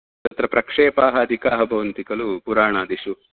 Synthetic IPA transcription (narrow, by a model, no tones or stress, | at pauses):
t̪ɐt̪ɾɐpɾɐkʂeːpaːɦɐːd̪ʱikaːɦɐbʱɐʋɐnt̪ikɐlupuɾaːɳaːd̪iʃu